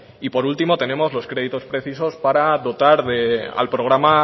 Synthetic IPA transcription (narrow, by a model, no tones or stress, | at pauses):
ipo̞ɾult̪imo̞t̪e̞nẽ̞mo̞zlo̞skɾe̞ðit̪o̞spɾe̞θiso̞spaɾaðo̞t̪aɾðea̰lpɾo̞ɣ̞ɾama